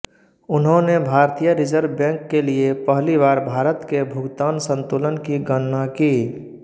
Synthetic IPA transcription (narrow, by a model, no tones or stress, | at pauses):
ʊnɦõnebʱaːɾt̪ijəɾɪd͡ʒəɾʋbɛ̃ːŋkːeliepəɦliʋaːɾbʱaːɾət̪kebʱʊɡt̪aːnsə̃nt̪uːlənkiɡənnakiː